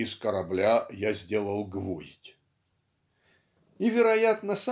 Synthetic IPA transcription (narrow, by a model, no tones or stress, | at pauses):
ɪskəɾɐblʲajazʲdʲe̞lˠəlˠɡvozʲtʲ | ɪvʲɪɾɐjat̪nəsa